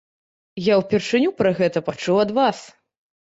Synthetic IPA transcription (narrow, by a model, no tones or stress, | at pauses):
jawpʲɛrʂɨnʲupɾɐɣɛt̪ɐpat͡ʂuwɐd̪vas